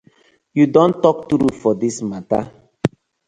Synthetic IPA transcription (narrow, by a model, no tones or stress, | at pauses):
judɔ̃ntɔk̚tuɾufɔdismata̰